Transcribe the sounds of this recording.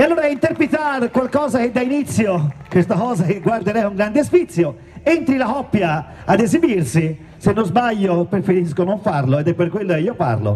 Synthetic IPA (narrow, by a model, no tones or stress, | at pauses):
ealːoːɾaint̪eɾpɾet̪arkwalkɔːzak̟ed̪ːainit̪sːjokwest̪akɔːzakeɡward̪eɾɛuŋɡɾand̪espit̪sːjo | ent̪ɾilakɔpːjaː | d̪ezibirsi | senːozbaʎːopɾefeɾiskonoɱfaɾloed̪ɛpːerkːwelːokeiːopa̰ɾlo̰